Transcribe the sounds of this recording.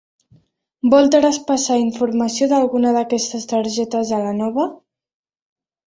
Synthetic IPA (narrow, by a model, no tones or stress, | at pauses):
bɔlˠt̪ɾəspasaiɱfuɾmasioðalˠɣunəðəkɛst̪əst̪əɾʒɛt̪əzðəlanɔβə